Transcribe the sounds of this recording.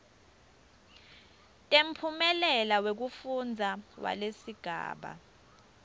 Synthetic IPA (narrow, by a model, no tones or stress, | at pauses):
tʼem̩pʰumɛlɛlawek̬ufund͡zʱawa̰lesiɡ̥ʱa̰ːɓa̰